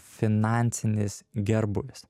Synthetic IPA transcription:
fʲɪnɑˑnʲt̪sʲɪnʲɪsɡʲɛɾbʊʋʲɪs

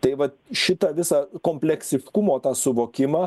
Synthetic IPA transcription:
t̪ɐɪʋɐt̪ | ʃʲɪt̪ɐʋʲɪsɑːkoːmʲpʲlʲɛksʲɪfʲɪkʊmoːt̪ɑːsʊʋoːkʲɪmɑː

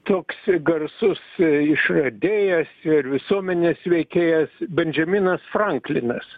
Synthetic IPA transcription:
t̪oːksɡɐrsʊsɪʃrɐd̪ʲeːjɛsɪrʋʲɪsuɔmʲɛnʲeːsʋʲɛɪkʲeːjɛsbʲɛnʲʒʲɛmʲinɐsfrɐŋklʲɪnɐs

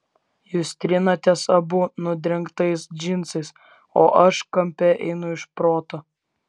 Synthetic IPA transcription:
juːst̪ʲɾʲɪnɐt̪ʲɛsɐbʊnʊd̪ʲɾʲɛŋkt̪ɐɪsd͡ʒʲɪnˑt̪sɐɪs | oːʔɐʃkɐmʲpʲɛʔɛ̰ɪnʊɪʃpɾoːt̪o

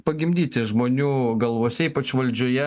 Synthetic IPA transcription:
pɐɡʲɪmʲd̪ʲiːt̪ʲɪʒmoːnʲuːɡɐlˠʋoːsʲɛiːpɐt͡ʃʋɐlʲd͡ʒʲoːjɛ

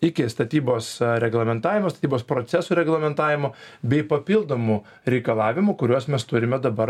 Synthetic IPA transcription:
ɪkʲɪst̪ɐt̪ʲiːboːsɾʲɛɡlˠɐmʲɛnt̪ɑːʋʲɪmoːst̪ɐ̥t̪iːboːspɾoːsʲɛsuːɾʲɛɡlˠɐmʲɛnt̪ɑːʋʲɪmoːbʲɛɪpɐpʲɪlˠd̪oːmu | ɾʲɛɪkɐlˠɑːʋʲɪmʊkʊɾʲuɔsmʲɛst̪ʊɾʲɪmʲɛd̪ɐbɐɾ

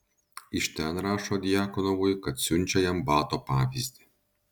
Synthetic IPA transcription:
ɪʃt̪ʲɛnɾɑːʃɔːd̪ʲɪjaːkɔnɔʋʊjkɐt̪sʲʊnʲt͡ʃʲɛjɛmbɑːt̪oːpɑːʋʲizʲd̪ʲɪ

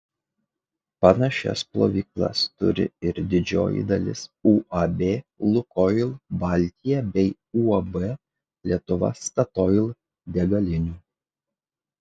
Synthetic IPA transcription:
pɐnɐʃʲɛ̰splˠo̰ːʋʲiːklˠɐ̰st̪ʊ̰ɾʲɪ̰ɪɾd̪ʲɪd͡ʒʲo̰ːjɪ̰d̪ɐlʲɪ̰suːʔɐbʲeːlˠʊkɔjlˠbɐlʲt̪ʲɪjɛbʲɛɪ | uːɐbɛ | lʲiɛt̪ʊʋɐ̰st̪ɐt̪ɔɪlˠ | d̪ʲɛɡɐlʲɪnʲuː

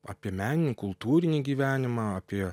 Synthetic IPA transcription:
ɑ̰ːpʲiɛmʲæːnʲɪnʲiːkʊlˠt̪uːɾʲɪnʲiːɡʲiːʋʲæːnʲɪmɑɑːpʲiɛ

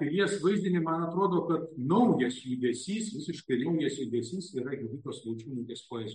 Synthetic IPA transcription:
kɐjʲiɛsʋɐɪzʲd̪ʲɪnʲɪmɐnɐt̪ɾoːd̪oːkɐt̪nɐʊjɛsjud̪ʲɛsʲiːsʋʲɪsʲɪʃkɐɪlʲɐʊjɛsjud̪ʲɛsʲiːsiɾɐɡʲɪd̪ʊkʲoːslˠɐʊt͡ʃʲuːnuːkʲeːspoːjʲɛsʲ

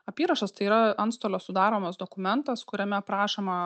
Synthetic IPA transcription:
ɐpʲiːɾɐʃɐst̪ɐɪiːɾɐɐnst̪oːlʲoːssʊd̪ɑːɾoːmɐsd̪okʊmʲɛnt̪ɐskʊɾʲɛmʲɛpɾɑːʃʲeːmɐ

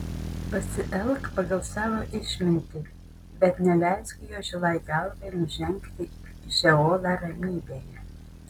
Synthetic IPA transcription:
pɐsʲɪʔɛlˠkpɐɡɐlˠsɑːʋoːʔɪʃʲmʲɪnʲt̪ʲɪ | bʲɛt̪nʲɛlʲæˑɪskʊjuːʒʲɪlˠɐɪd̪ʲɛˑlˠd̪ʲɛɪnʊʒʲɛŋkt̪ʲɪ | ʒʲɛoːd̪ɑɾɐmʲiːbʲeːjɛ

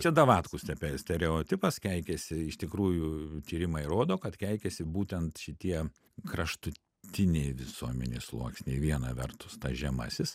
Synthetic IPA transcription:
t͡ʃʲɛd̪ɐʋɑːt̪kʊsʲt̪ʲɛpʲɛsʲt̪ʲɛɾʲɛoːt̪ʲɪpɐskʲæɪkʲɛsʲɪɪʃt̪ʲɪkɾuːjʊt̪ʲiːɾʲɪmɐɪɾoːd̪oːkɐt̪kʲæɪkʲɛsʲɪbuːt̪ʲɛnt̪ʃʲɪt̪ʲiɛ | kɾɐʃt̪ʊ | t̪ʲɪnʲɛɪʋʲɪsuɔmʲɛ̰nʲḛslˠṵɔksʲnʲeɪʋʲiɛnɐʋʲɛrt̪ʊst̪ɐʒʲɛmɑ̰ːsʲɪs

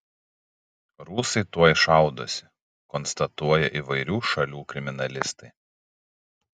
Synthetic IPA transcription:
ɾuːsɐɪt̪uɔjʃɑˑʊd̪osʲɪ̥ | kɔnst̪ɐt̪uɔjɛʔiːˑʋɐɪɾʲuːʃɐlʲuːkɾʲɪmʲɪnɐlʲɪst̪ɐɪ

